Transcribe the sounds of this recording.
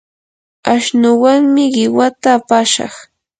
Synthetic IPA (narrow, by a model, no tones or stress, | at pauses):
aʃnʊwaŋmɪɢɪwat̪aːpaʃɑ̰χ